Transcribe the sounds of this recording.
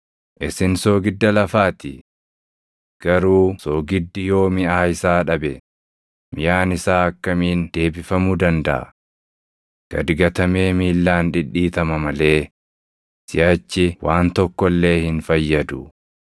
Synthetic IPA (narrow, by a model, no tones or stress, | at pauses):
ʔɪsɪnso̞ːɡɪd̪ːɐlɐfaːt̪ɪ̰ | ɡ̥ɐɾuːsoːɡɪd̪ːɪjo̞ːmɪaːɪsaːᶑɐbɛ | mɪjaːnɪsaːɐkːɐmiːnd̪̥e̞ːbɪfɐmud̪ɐnd̪ɐʔɐ̰ | ɡ̥ɐd̪ɡɐt̪ɐme̞ːmiːlːaːnᶑɪᶑiːt̪ɐmɐmɐle̞ː | sɪjaːt͡ʃːɪwaːnt̪ɔkːɔlːe̞ːhɪnfɐjːɐd̪ʊ